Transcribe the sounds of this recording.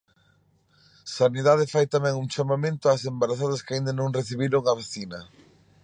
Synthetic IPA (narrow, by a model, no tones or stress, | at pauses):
saniðað̞ɪfajt̪amɛ̃ŋuŋt͡ʃamamẽnt̪ʊasembaɾaθaðɐskaind̪ɐnõŋreθiβiɾoŋaβaθinɐ